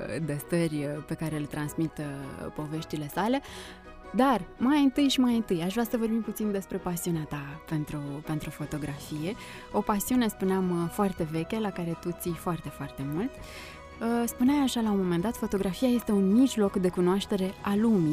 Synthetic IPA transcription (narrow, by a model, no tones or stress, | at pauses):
d̪est̪ərʲpe̞kaɾe̞ɨlt̪ɾansmit̪po̞ve̞ʃt̪ile̞sale̞ | d̪armajɨnt̪ɨjʃimajɨnt̪ɨjaʃvɾeasəvo̞rbimput̪sind̪e̞spɾe̞pasiuneat̪ape̞nt̪ɾupe̞nt̪ɾufo̞t̪o̞ɡɾʔafije̞ | o̞pasiune̞spuneamfoart̪e̞ve̞kʲe̞lakaɾe̞t̪ut̪sijfoart̪e̞foart̪e̞mult̪ | əspuneamaʃalamo̞me̞nd̪at̪fo̞t̪o̞ɡɾafiaje̞st̪e̞unmiʒlo̞kd̪e̞kunoaʃt̪e̞ɾe̞alumi